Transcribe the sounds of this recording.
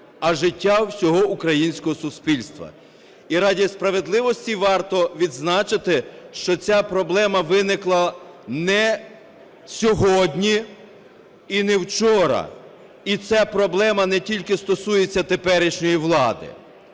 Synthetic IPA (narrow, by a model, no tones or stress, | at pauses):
ɐʒɪtʲːawsʲɔɦɔukɾɐjinʲsʲkɔɦɔsʊspʲilʲst̪ʋɐ̰ | iɾɑdʲispɾɐʋed̪lˠɪʋɔsʲtʲiʋɑrt̪ɔʋʲid̪znɑt͡ʃɪt̪ɪʃt͡ʃɔt͡sʲapɾɔblˠɛmɐʋɪnɪklˠɐnɛ | sʲɔɦɔdʲnʲi | inɛwt͡ʃɔɾɐ̰ | it͡sʲapɾɔblˠɛmɐnɛtʲilʲkɪst̪ɔsujet͡sʲːɐt̪epɛɾɪʃnʲɔjiʋlˠɑd̪ɪ̰